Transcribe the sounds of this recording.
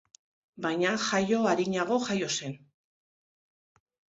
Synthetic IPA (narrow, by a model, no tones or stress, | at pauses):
bajɲaxajo̞aɾiɲaɣ̞o̞ʝajo̞se̞n